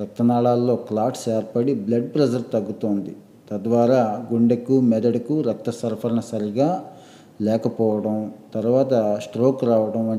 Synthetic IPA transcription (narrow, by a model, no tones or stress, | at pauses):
ɾɐk̚t̪ːɐnaːɭaːlːo̞ːklaːʈsɛːɾpɐɽiblɐɖpɾɐd͡ʒɐɾt̪ɐɡːut̪oːnd̪ḭ | t̪ɐd̪ʋaːɾaːɡuɳɖekumɛd̪ɐɽɐkuɾɐk̚t̪ːɐsɐɾpʰɐɾɐnɐsɐɾiɡaː | lɛːkɐpɔːʋɐɽɐmt̪ɐɾuʋaːt̪ɐsʈɾoːkɾaːʋɐɽɐmɐ